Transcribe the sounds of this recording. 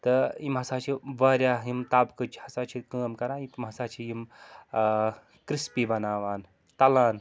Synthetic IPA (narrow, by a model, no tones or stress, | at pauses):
t̪ɨimɦɐsaːt͡ʃʰiʋaːɾʲjaːimt̪aːbkɨt͡ʃʰihɐsaːt͡ʃʰikəːmkɐɾaːit̪mɦɐsaːt͡ʃʰijim | kɾispibɐnaːʋaːn | t̪ɐlaːn